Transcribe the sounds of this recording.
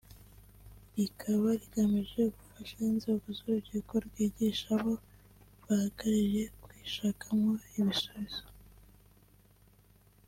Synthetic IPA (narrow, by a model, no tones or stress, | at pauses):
ɾikʰaβaɾiɡ̥amiʒe̞ɡufaʃainzeɡozuɾuβɟikoɾɡiːɟiʃaβo̞ | βwahaɡaɾiʒe̞kwiʃakʰamŋo̞iβisoβiz̥o